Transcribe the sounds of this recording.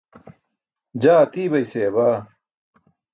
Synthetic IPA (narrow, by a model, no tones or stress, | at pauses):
d͡ʑaːt̪iːbɐjseːbaː